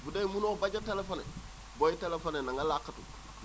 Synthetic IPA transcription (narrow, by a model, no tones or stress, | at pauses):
budeimunobaɟatelefonḛ | boitelefonenaŋɡalakːatu